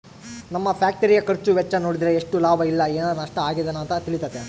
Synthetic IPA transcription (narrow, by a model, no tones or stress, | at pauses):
nɐmːɐpʰjaːk̚ʈɐɾijɐkɐɾt͡ʃuʋɛt͡ʃːɐno̞ːɽid̪ɾeːʂʈulaːbʱɐilːɐeːnaːd̪nɐʂʈɐaːɡid̪ɐnuːnt̪ɐt̪iɭit̪ɐt̪ːe